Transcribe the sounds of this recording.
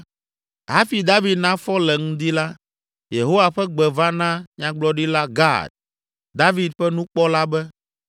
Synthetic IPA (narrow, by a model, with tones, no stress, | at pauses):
ɦa˦fi˨d̪a˦vi˨d̪nã˦fɔ˦lɛ˨ŋũ˦d̪i˦la˦ | je˨ɦo˦wa˨ɸɛ˦ɡ͡bɛ˨va˦nã˦ɲã˦ɡ͡blɔ˦ɖi˦la˦ɡa̰˦˨d̪̚ | d̪a˦vi˦d̪̚ɸɛ˦nũ˦k͡pɔ˦la˦bɛ˦